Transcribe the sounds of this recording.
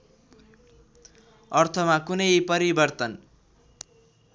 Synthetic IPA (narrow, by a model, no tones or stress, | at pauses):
ʌrt̪ʰʌmakunʌjpʌɾibʌrt̪ʌn